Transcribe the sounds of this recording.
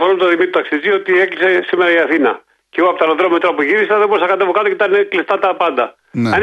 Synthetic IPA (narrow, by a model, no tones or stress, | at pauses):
foɾomet̪oðimit̪ɾot̪ɐksizio̞t̪ieklise̞simeɾɐiɐθinɐ | ceɣoɐpot̪ɐɾoðɾomet̪ɾɐpuʝiɾisɐðeboɾesɐkɐt̪evokɐt̪ocet̪ɐneklist̪ɐt̪ɐpɐnd̪ɐ | ɐ